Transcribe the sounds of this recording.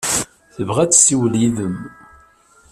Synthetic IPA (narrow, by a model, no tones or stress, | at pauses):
θəvʁæt͡sːsiwliðəm